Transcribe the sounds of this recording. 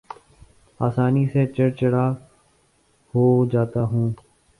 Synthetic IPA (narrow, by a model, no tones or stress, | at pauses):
aːsaːniset͡ʃəɽt͡ʃəɽaː | hoːd͡ʒaːt̪aːɦũː